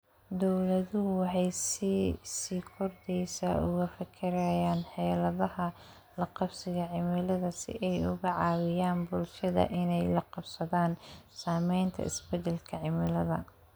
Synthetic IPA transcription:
d̪ɔwlɐðʊɦʊwɑħɑjssiːkʰɔrd̪ɛjsɐʔʊɣɐfɐkʰɪɾɐjaːnħɛːlɐðɐhɐ | lɐqɑbsɪɣɐʕɪmɪlɐðɐsɪ̰ʔɛjʊɣɐʕɑːwɪjaːnbʊlʃɐðɐ̰ʔɪnɛjlɐqɑbsɐðaːnsaːmɛjnt̪ʰɐ̰ʔɪ̰sbɛd̪ɛlkʰɐʕɪmɪlɐðɐ̰

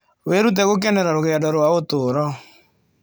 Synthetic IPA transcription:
weɾut̬ɛɣok̬ɛnɛɾaɾoɣeadɔɾwaotoɾɔ

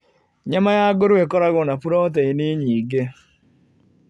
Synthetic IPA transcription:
ɲamajaɡoɾekɔɾaɣɔnapuɾɔt̬ɛiniɲiɡe

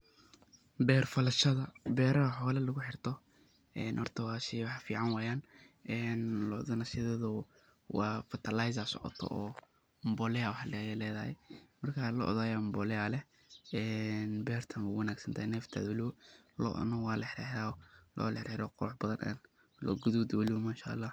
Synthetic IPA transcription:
bɛːrfɐlɐʃɐðɐbɛːɾɐɐħɔːlɐlɐɣʊħɪrt̪ʰɔ | ɛːnhɔrt̪ʰɐwɑːʃɪwɑħfiːʕɑnwɑːjaːn | ʔɛːnlɔðɐnɐʃɐðɐðʊ | wɑːfɐt̪ʰɐlajs̬ɐsɔ̰ʕɔ̰t̪ʰɔ̰ʔɔː | mbɔlɛawɑħlɛlɛːðɐhɛ̰mɐrkʰalɔ̰ʔɔ̰ðaːjambɔlɛalɛ | ɛːnbɛːrt̪ʰɐnwuwɐnaːɡsɐnt̪ʰahɛnɛːft̪ʰa̰ːd̪wɐlɪwɔlɔ̰ʔnɐwɑːlɐħɪħɪɾaːɔlɔ̰ːlɐħɪɾħɛɾɔqɔħbɐðɐnʔɛ̰n | lɔ̰ɡʊðud̪wɐlɪwɔmaːʃa̰ʔːlːaː

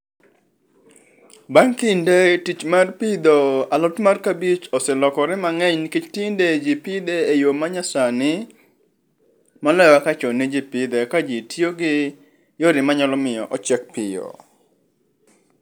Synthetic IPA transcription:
baŋkindetit͡ʃmarpid̪oalɔtmarkabit͡ʃɔsɛlɔkɔɾɛmaŋɛɲniket͡ʃtinded͡ʒipid̪eejomaɲasanɪ | mɔlɛwakat͡ʃɔnid͡ʒipid̪ekad͡ʒitjoɡɪ | joɾɪmaɲalɔmɪjɔ̰ʔɔt͡ʃɛk̚pɪo̰

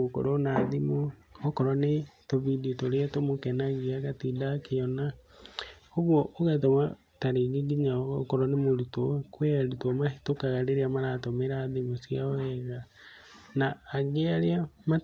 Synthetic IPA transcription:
oko̰ɾonaðimoɔkɔɾwanetɔβiditoɾeatomokɛnaɣeaɣatidakeɔna | hoɣwɔʔoɣatoma | taɾeɣiɡiɲaɔkɔɾɔnemoɾutɔkwɛaɾutɔmahetokaɣaɾeɾeamaɾatɔmeɾaːðemosjaɔɛɣa | naːɡeaɾeama

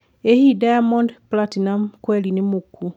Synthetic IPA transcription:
ehidajamɔndplatinamkwelinimukːu

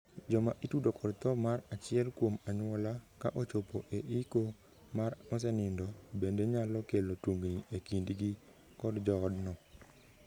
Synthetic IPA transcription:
d͡ʒɔmaʔitudokʰɔdt̪ɔmarat͡ʃɪɛlkwomaɲwɔlakaʔot͡ʃopoʔeʔiko | maɾɔs̬ɛnɪndɔbendeɲalɔkelotwuŋɡniʔekindɡi | kɔdd͡ʒɔːdnɔ

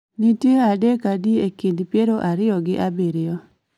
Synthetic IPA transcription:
nitjeadekadiekindpjeɾoʔaɾɪɔɡɪʔabiɾɪjɔ

